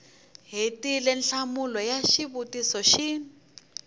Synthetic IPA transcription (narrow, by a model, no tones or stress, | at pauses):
ɦetilɛnɬamulɔjaʃiβutisɔʃiːn